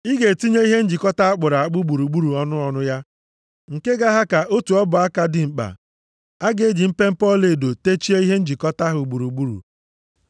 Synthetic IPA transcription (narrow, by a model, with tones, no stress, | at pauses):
i˦ɡe˨ti˦ɲe˦i˦ɦe˦n̩˦d͡ʒi˨kɔ˦ta˦a˦k͡pʊ˨ɾa˨a˨k͡pʊ˦ɡ͡bu˨ɾu˨ɡ͡bu˦ɾu˨ɔ˦nʊ˦ɔ˨nʊ˦ja˦ | ŋ̩˨ke˦ɡa˦ɦa˦ka˨ʔo˦tu˨ɔ˦bʊ˨a˦ka˦dɪ˨ŋ͡m̩˨k͡pa̰˨ | a˦ɡe˨˦d͡ʒi˨m̩˦pe˦m̩˦pɔ˦˨le˨do˨te˦t͡ʃi˦e˦i˦ɦe˦n̩˦d͡ʒi˨kɔ˦ta˦ɦʊ˨ɡ͡bu˨ɾu˨ɡ͡bu˦ɾṵ˨